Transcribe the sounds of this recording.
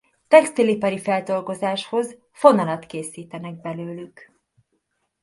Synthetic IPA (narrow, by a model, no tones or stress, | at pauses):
t̪ɛkst̪ilipɛɾifɛld̪o̞lɡo̞zaːʃho̞z | fo̞nɒlɒt̪keːsiːt̪ɛnɛɡ̚bɛløːlyk